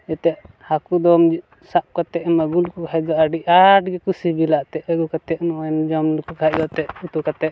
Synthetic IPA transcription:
ɛt̪ɛʔ | hakud̪ɔmd͡ʒi | saʔ̚kat̪ɛʔmaɡulkɔkʰad͡ʒ̪ɔʔaɖiʔaʈɡɛkusibilaʔt̪ɛʔəɡukat̪ɛʔnɔɛnd͡ʒɔmlukɔkʰaʔd̪ɔʔt̪ɛʔut̪ukat̪ɛʔ

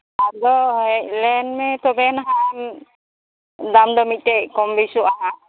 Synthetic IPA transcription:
ad̪ɔɛtlɛnmɛt̪ɔbɛnaɦam | d̪amd̪ɔmit̪̚tɛʔkɔmbisuʔa

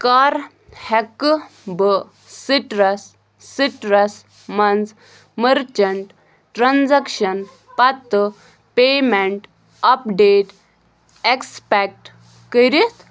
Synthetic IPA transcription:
kaɾ | hɛkbə | siʈɾəsː | iʈɾəs | mɐnd͡z | məɾt͡ɕəɳʈ | ʈɾand͡zɛkɕən | pat̪ː | pemeɳʈ | apɖeʈ | ekspɛk̚ʈ | kəɾit̪

